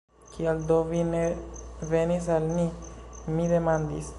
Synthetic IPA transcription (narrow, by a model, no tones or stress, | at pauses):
kʰiald̪ovinevenis̬almimid̪emand̪ḭs